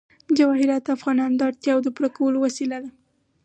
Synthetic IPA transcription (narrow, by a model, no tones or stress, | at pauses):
d͡ʒawɑhɪɾat̪afɣɑnɑnod̪əɑɽt̪jɑwod̪əpuɾakawəlowasilad̪a